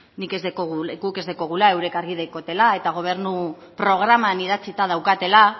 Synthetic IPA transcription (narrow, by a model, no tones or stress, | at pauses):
nike̞zðekoɣuɡuke̞zðeko̞ɣ̞ulae̞wɾe̞kaɾɣiðejko̞t̪e̞lae̞t̪aɣ̞o̞β̞e̞ɾnu | pɾo̞ɣ̞ɾamaniðat͡sit̪að̞awkat̪e̞la